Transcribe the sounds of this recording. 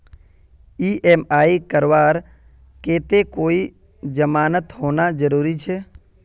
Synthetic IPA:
iːʔemaːikəɾʋaːɾ | keːt̪ekoːi | d͡ʒəmaːnət̪hoːnad͡ʒəɾuːɾit͡ʃʰeː

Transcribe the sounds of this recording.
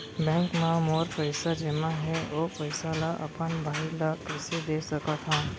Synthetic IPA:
bɛ̃ːŋkmãmoːɾpəɪsad͡ʒemãɦɛʋopɐɪsalaʔɐ̰pənbʱaːilakɾɪsid̪eːsəkat̪ʰaː

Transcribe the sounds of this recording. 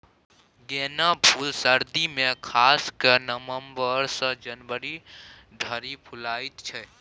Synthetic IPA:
ɡenabʱulsəɾd̪imekʰaskənəməmbəɾsə̃d͡ʒənbəɾi | ɖʱəɾipʰulajt̪t͡ʃʰɛ

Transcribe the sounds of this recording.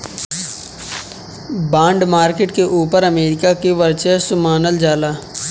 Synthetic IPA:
bãːɳɖmaːɾkɪʈkeʔuːpəɾəmeːɾɪkakeʋəɾt͡ʃesʊmaːnəld͡ʒaːlaː

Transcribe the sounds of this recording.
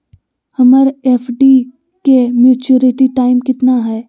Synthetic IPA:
hɐmaːɾeːfʰɖi | kemjuːt͡ʃuɾɪʈiʈaːɪmkɪt̪naɦɛː

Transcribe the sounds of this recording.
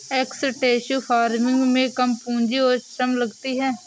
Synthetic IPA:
ɛːksəʈeːʃuːpʰaːɾmɪ̃ŋɡmẽkəmpũːnd͡ʒioːɾʃəmləɡt̪iɦɛː

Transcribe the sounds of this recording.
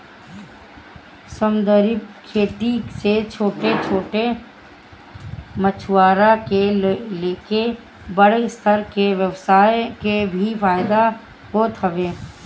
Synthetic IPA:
səmd̪əɾɪbkʰːeːʈ̪iset͡ʃʰoːʈet͡ʃʰoːʈe | mət͡ʃʰʊwaːɾakeleːke | bəɽest̪ʰəɾkeʋjəʋsaːekebʱifaːɪd̪a | ɦoːt̪ɦɐʋeː

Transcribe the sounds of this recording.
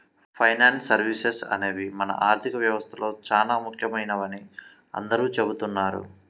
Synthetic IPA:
pʰɐjnaːnsːɐɾʋisesɐ̰neːʋimɐnɐ̰ʔaːɾt̪ʰikɐʋjɐʋɐst̪ʰɐlo̞ːt͡ʃaːlaːmukʰjɐmɐjnɐʋɐni | ɐ̰nd̪ɐɾuːt͡ʃe̞but̪unːaːɾṵ

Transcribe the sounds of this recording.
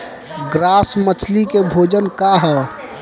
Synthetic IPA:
ɡɾaːsmət͡ʃʰlikebʱoːd͡ʒənkaɦɛː

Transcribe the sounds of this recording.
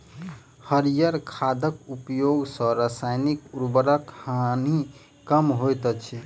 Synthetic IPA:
həɾijəɾkʰad̪ʱəkupjoɡsə̃ɾasajnikuɾbəɾəkhani | kəmɦojt̪ət͡ʃʰi

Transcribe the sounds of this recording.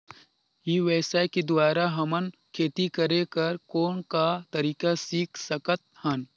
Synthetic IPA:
jiʋɛːsaeked̪waːɾaɦɐmənkʰeːt̪ikɐɾẽkɐɾkoːnkat̪ɐɾiːkasiːkʰsəkət̪̚hən

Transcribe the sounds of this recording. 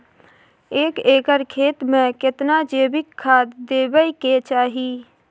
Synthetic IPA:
eːkeːkəɾkʰeːt̪mẽkɪt̪nad͡ʒeːbɪkʰːaːd̪d̪eːbəiket͡ʃaːɦi

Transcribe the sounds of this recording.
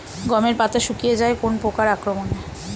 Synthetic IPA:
ɡɔmeɾpat̪aʃukijed͡ʑaekonpokaɾakɾomone

